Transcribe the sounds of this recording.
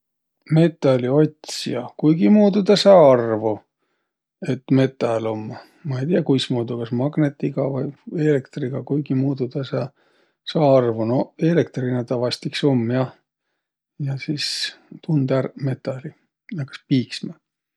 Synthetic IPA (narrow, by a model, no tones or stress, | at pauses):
me̞t̪ːˑɑlʲio̞t̪ʲsijɑkujɡ̥imuːd̪ud̪ɑsɑːɑrvu | e̞t̪me̞t̪ːˑɑlo̞mː | mɑe̞jt̪ijɑkujsmuːd̪ukɑsmɑɡnet̪ːiɡ̥ɑvɑje̞lekt̪riɡ̥ɑkujɡ̥imuːd̪̥ud̪ɑsɑː | sɑːɑrvunoe̞lekt̪rinet̪ɑvɑst̪ikso̞mːjɑ | jɑsist̪und̪ærme̞t̪ːɑlʲi | jɑkɑ̥spiːksmɑ